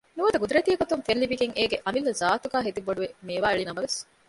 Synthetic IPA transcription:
nuʋɐd̪ɐɡud̪uɾet̪ijɐɡot̪uŋfenlibiɡeŋʔeːɡeʔɐmilːɐzaːt̪uɡæːɦed̪iboɖuʋemeːʋaːeɭinɐmɐʋes

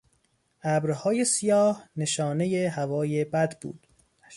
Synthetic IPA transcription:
ʔæbɾhɒːje̞sijɒːhne̞ʃɒːne̞jeɦævɒːje̞bæd̪bṵːd̪̥

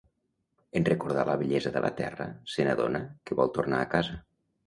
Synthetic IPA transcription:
enrəkuɾð̞aləβəʎɛzəðəlʔə̰t̪ɛ̰rəsənəðonəkəβɔlˠt̪ornaːkazə

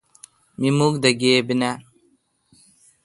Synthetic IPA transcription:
mimukd̪ɐɡeːbina

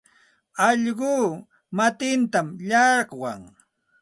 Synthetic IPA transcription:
ɑʎɢuː | mat̪ɪnt̪amʎɑɾqwaŋ

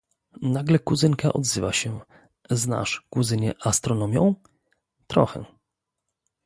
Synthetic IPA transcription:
naɡlɛkuzɘŋka̰ʔɔd̪zɘvaɕɛ | zna̰ʂkuzɘɲɛ̰ʔast̪ɾɔnɔmʲjɔ̰̃w̃ | t̪ɾɔ̰xɛ

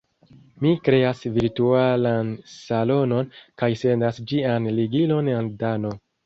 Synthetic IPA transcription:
mikɾe̞asviɾtualansalo̞no̞nkajse̞ndasd͡ʒianliɡilo̞neldano̞

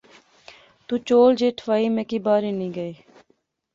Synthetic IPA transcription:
t̪uːt͡ʃoːld͡ʒeːʈʰʋaːiːmẽːkiːbaːɾeːnĩːɡəeː

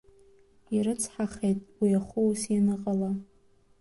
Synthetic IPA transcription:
iɾɨt͡sʰħaχejtʼwiaχʷuwsjanɨqʼala

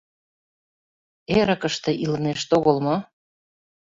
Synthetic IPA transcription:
eɾə̆kə̆ʃt̪ĕʔiləmeʃt̪oɣolmo

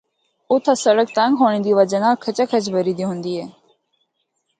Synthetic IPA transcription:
ʊt̪ʰasəɽək̚t̪ãŋɡɦoːɳ̃ĩːd̪iːʋəd͡ʒənãːkʰət͡ʃakʰət͡ʃbəɾiːd̪ĩɦʊ̃nd̪iːɦɛː

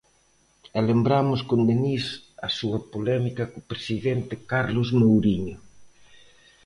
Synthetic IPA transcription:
ɛlembɾamʊskond̪enisɐsuɐpolɛmikɐkopɾesiðɛnt̪ɪkaɾlʊzmowɾiɲo

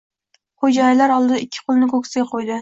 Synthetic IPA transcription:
χod͡ʒɑjɪlaɾɒlˠd̪ɨd̪aɪkʲʰːɪ̥qʰʊlˠnɪkʰokʰʲsɪɡʲaqʰojd̪ɪ

